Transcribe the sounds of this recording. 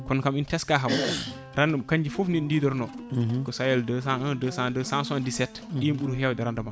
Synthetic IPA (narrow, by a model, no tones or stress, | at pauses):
kɔnkamintɛskaɦaw | ɾandəmkaɲd͡ʒifufnindiːdɔɾnɔkɔsajɛldəs̬aədəsãdəsãnsandisɛt | ɗiɓuɾuɦɛwdɛɾandəma